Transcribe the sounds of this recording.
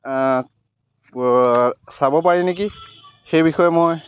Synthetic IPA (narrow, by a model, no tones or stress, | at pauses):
sabɔpaɹinek̬ixejbixɔjɛmoj